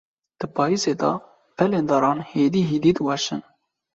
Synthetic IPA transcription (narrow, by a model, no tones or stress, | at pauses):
d̪̥ɨpʰɑːiːseːd̪ɑ̰ | pʰɛleːnd̪ɑɾɑːnheːd̪iːɦid̪id̪wɑʃɨ̰n